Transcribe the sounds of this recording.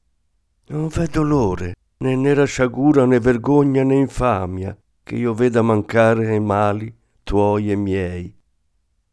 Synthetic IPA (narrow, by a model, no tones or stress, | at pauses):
nɔɱfɛd̪oloːɾe | nɛnːɛɾaʃaɡuːɾanɛveɾɡoɲːanɛiɱfaːmja̰ | k̟ḛiːoveːd̪amaŋkaːɾeɛmaːli | t̪wɔjɛmjɛj